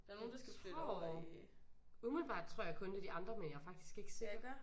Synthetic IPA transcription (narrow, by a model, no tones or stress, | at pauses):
d̥ɑno̝ːn̩d̥asɡ | umelb̥ɑ̰̈ːd̥̚t͡sʰʁo̝ɐ̰jɑ̈ɪkʰɔ̽nd̥e̝d̥iɑ̈nd̥ʁɐmenjɑ̈ɪfɑ̈ɡ̥̚d̥i̥sɡ̥e̝ɡ̥əse̝̰ɡ̥